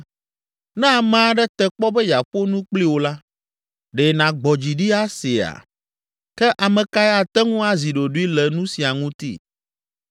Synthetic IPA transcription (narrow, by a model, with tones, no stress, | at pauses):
nɛ̃˦a˨mã˦ɖɛ˦t̪ɛ˨k͡pɔ˦bɛ˦ja˨ɸo˦nũ˦k͡pli˦wo˨la˦ | ɖe˨nã˨ɡ͡bɔ˨d͡ʑi˨ɖi˦a˦si˨a̰˨ | kɛ˦ʔa˨mɛ̃˨ka˦ɛ˦a˨t̪ɛ˦ŋũ˦a˦zi˨ɖo˨ɖu˦i˦lɛ˨nũ˦si˨a˨ŋũ˦t̪ḭ˦